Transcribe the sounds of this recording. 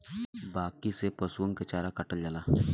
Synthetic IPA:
baːkisepəsuwə̃ŋket͡ʃaːɾakɐʈəld͡ʒalaː

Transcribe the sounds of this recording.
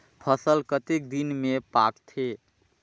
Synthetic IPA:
pʰəsəlkət̪ek̚d̪inmepakt̪ʰe

